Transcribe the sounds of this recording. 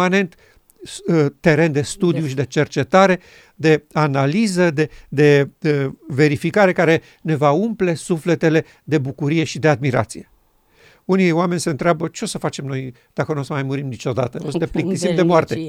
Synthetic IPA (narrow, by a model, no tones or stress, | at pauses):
ane̞nt̪ | t̪ːe̞ɾe̞nd̪e̞st̪ud̪ijuʃid̪e̞t͡ʃe̞rt͡ʃe̞t̪aɾe̞ | d̪e̞analizəd̪e̞d̪e̞ | ve̞ɾifikaɾe̞kaɾe̞ | ne̞vaumple̞sufle̞t̪e̞le̞ | d̪e̞bukuɾije̞ʃid̪e̞ad̪miɾa̰t̪sije̞ | unioame̞nʲseɨnt̪ɾeabət͡ʃeo̞səfat͡ʃe̞mno̞j | d̪̥akənusəmajmuɾimnit͡ʃo̞d̪a̰t̪əosəd̪eplik̚t̪isimd̪emoart̪e